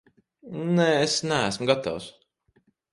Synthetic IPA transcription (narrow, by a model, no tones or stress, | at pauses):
neːesnææsmuɡat̪a̰ws